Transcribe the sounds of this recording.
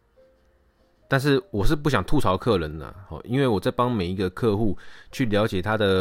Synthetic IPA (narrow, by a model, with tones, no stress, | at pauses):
t̪a˥˧nʂ̬ɻ̩˥˩wɔ˨˩ʂɻ̩˥˧p̬u˥˩ɕ̬jɑ˨˩ŋt̪ʰu˥˨t͡sʰɑ˧˦ʊkʰɤ˥˩lə˧˦nlə̰˨hɔ̰˨ʔi˦˥nwe˥˩ɪwɔ˨˩t͡sa˥˩ɪpɑ˥ŋme˨˩ɪi˨˦ɡə˨kʰɤ˥˧xu˥˨t͡ɕʰy˥˩ljɑ˨˦˥ʊt͡ɕjɛ˨˩t̪ʰa˦˥d̪ə˨